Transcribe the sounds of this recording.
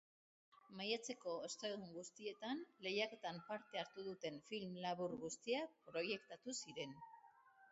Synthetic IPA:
majat͡se̞ko̞e̞st̪aðuŋɡust̪ie̞t̪anle̞jake̞t̪ampaɾt̪e̞aɾt̪uð̞ut̪e̞nfilmlaβuɾɣust̪iapɾo̞je̞kt̪at̪usiɾe̞n

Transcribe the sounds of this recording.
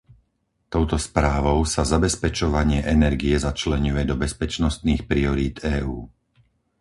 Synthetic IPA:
t̪ɔʊt̪ɔspɾaːʋɔʊsazabɛspɛt͡ʃɔʋaɲɪɛʔɛnɛɾɡiɛzat͡ʃlɛɲujɛd̪ɔbɛspɛt͡ʃnɔst̪niːxpɾiɔɾiːd̪ɛːuː

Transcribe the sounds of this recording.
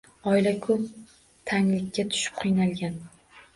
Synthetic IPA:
ɒjlakʰʊp̚ | t̪ʰaŋlɪkʲːat̪ʰʊ̥ʃɪ̥p̚qʰɨjnalˠɡʲan

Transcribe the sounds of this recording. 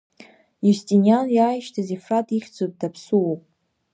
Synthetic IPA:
justʼinjanjaːjʃtʰazifratʼiχʲd͡zot̚dapʰsuwopʼ

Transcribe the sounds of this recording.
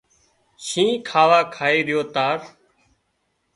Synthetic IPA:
ʃĩːkʰaːʋaːkʰaːeːɗɪjoːt̪aːɾ

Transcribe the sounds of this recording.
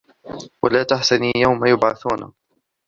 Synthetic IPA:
wa̰laːt̪aħsaniːjawmajʊbʕaθuːna̰

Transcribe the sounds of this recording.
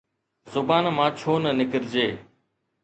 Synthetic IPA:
zʊbaːnmãːt͡ʃʰoːnənɪkəɾd͡ʒeː

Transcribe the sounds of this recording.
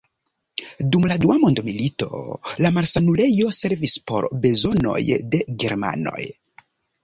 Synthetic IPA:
dumladuamo̞ndomilito̞̰lamaɾsanule̞jo̞se̞ɾvispo̞̰ɾbe̞zo̞no̞̰jde̞ɡe̞̰ɾma̰no̞̰j

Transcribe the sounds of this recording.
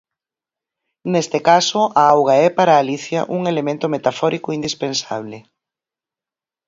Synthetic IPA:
nest̪ɪkasʊaawɣaɛpaɾaːliθja̰ʔuŋelemẽnt̪ʊmet̪afɔɾikʊind̪ispensa̰β̞lɪ

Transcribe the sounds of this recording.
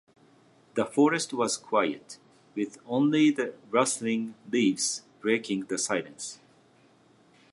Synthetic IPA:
ðəfɔɹɨstwʌz̥kʰw̥ajɨ̰t | wɪðõʊ̃nliðɨɹʌslɪ̃ŋlivz̥b̥ɹeɪkɪ̃ŋðəsaɪlə̃ns

